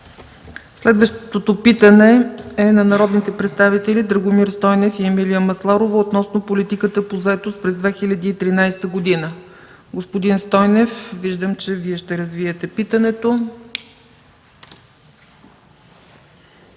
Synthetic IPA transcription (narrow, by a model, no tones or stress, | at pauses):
slɛd̪vəʃt̪t̪ot̪opit̪ənɛɛnɐnɐɾɔd̪nit̪ɛpɾɛt̪st̪avit̪ɛlid̪ɾəɡomiɾst̪ɔjnɛfiɛmiliəmɐslˠaɾovəot̪nɔsnopolit̪ikət̪əpozɐɛt̪ost̪̚pɾɛzd̪vɛxilʲəd̪iːt̪ɾinajst̪əɡod̪inə | ɡospod̪inst̪ɔjnɛfviʒd̪əmt͡ʃɛviɛʃt̪ɛɾɐzviɛt̪ɛpit̪ənɛt̪o